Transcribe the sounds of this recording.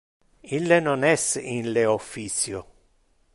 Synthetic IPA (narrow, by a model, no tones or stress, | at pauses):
ilːenonɛsinleofːit̪sjo